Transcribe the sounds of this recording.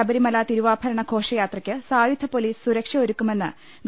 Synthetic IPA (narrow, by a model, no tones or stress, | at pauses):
ɐbɐɾimɐlaːt̪iɾuʋaːpʰɐɾɐɳɐkʰo̞ːʂɐjaːt̪rɐkʲːɨsaːjud̪ʱːɐpoliːsɨ̥suɾɐkʂɐoɾukːume̞nːɨ | ɡ